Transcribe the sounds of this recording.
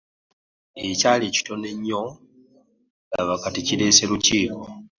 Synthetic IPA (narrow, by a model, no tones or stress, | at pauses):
ecaleːci̥to̞neɲːo | laβakaticiɾe̞ːse̞ɾuciːko